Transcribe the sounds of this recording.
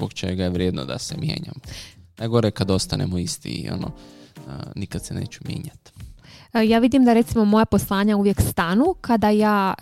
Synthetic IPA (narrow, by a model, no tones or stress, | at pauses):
bokt͡ʃe̞ɡajeʋɾjeːd̪nod̪a̰semjḛːɲamnaɡo̞ɾekad̪o̞st̪anemoist̪ḭio̰no̰ | nikad̪sene̞̰ːt͡ɕumjḛːɲat̪ | jaːʋid̪imd̪aɾe̞t̪simo̞mo̞japo̞slˠaːɲauʋjekst̪anukad̪ajaː